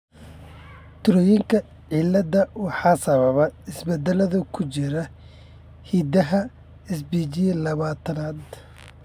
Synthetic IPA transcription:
t̪ʰɪɾɔjɪŋkʰɐ | ʕilːɐd̪ɐwɑħɑːsɐβɐβɐɪsbɛd̪ɛlɐðʊkʰʊt͡ʃɪɾɐ | hiːd̪ɐɦɐ | ɪs̬biːd͡ʒɪjɛlɐβaːt̪ʰɐnaːd̪

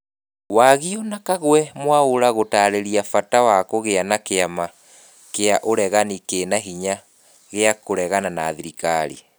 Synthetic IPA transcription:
waɣionakaɣwɛmwaoɾaɣotaːɾeɾiafatawakoɣeanakeama | keaʔoɾɛɣanikenaɦiɲa | ɣeakoɾɛɣananaːðiɾikaɾḭ

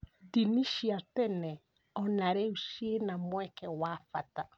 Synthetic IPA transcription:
diniʃiatɛnɛ | ɔnaɾɛuʃienamwɛkɛwafata

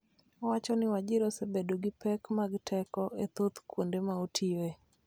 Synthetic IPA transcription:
wat͡ʃɔnɪwad͡ʒɪɾosebedoɡipɛkmaɡtʰɛkɔet̪ot̪kwondemaotʰiwe

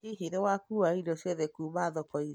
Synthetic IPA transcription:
iɦiɾɛwakuaidɔʃɛðɛkumaðɔkɔi

